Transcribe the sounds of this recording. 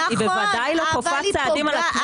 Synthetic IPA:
ibevad̪ajlokofat͡sead̪imalak

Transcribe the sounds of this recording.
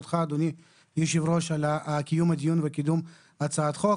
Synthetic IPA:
t̪χaːd̪oni | jiʃivɾoʃalakijumad̪ijunvekid̪um | at͡saːt̪χo

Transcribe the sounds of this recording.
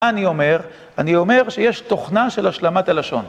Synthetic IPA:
anio̞me̞ʁ | anio̞me̞ʁʃeje̞ʃt̪o̞χnaʃe̞laʃlamat̪alaʃo̞n

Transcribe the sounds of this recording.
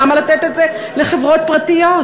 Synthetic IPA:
amalat̪et̪et̪ze | leχevʁo̞t̪̚pʁat̪ijot

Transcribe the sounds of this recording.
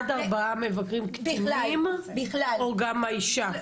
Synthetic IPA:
d̪aʁbaamevakʁimktnim | oɡamaiʃa

